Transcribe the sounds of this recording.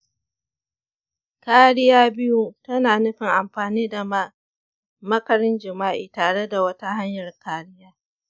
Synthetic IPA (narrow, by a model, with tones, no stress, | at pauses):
kaː˦ɽɪ˦jaː˦bɪ˦ju˦tɐ˦naː˨nʊ˦ɸɪ˨ŋʔa˨mɸaː˨niː˦da˨ma˦ | mɐ˦kɐ˨ɾɪ˦nd͡ʒɪ˨maː˦ʔiː˨taː˨ɽe˦da˨wɐ˦ta˦ɦa˦ɲjɐ˨rkaː˦ɽɪ˦jaː˦